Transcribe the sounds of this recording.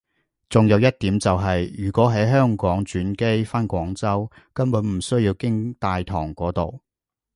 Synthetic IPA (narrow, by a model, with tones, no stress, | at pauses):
t͡sʊ˨ŋjɐ˨˧wjɐ˥t̚t̪iː˨˥mt͡sɐ˨wɦɐ˨jjyː˨˩kʷɔː˨˥ɦɐ˨˥jɦœː˥ŋkɔː˨˥ŋt͡ʃyː˨˥nke˥jfaː˥nkʷɔː˨˥ŋt͡sɐ˥w | kɐ˥npuː˨˥nm̩˨˩sɵ˥ɥjiː˧wkɪ˥ŋt̪aː˨˧jt̪ʰɔ̰ː˨˩ŋkʷɔː˨˥t̪o̰˨w